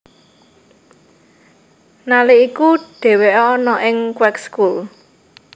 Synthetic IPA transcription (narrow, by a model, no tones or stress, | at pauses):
naliikuɖ̥e̤weʔɔnɔʔɪŋkwɛkskul